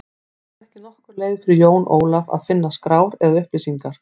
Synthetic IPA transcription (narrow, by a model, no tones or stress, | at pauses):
ɛhcɪnɔhkʏɾleːjðfɪɾɪjoːwnʔo̰ːwlava̰ðfɪnːaskɾaːwɾɛɣaðʏhplɪsiŋkaɾ̥